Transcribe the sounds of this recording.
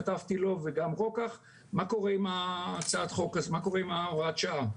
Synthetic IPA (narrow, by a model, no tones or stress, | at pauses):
at̪avt̪ilo̞veɡamʁo̞kaχ | mako̞ʁeimat͡saat̪χo̞kazemako̞ʁeimaoʁat̪ʃaa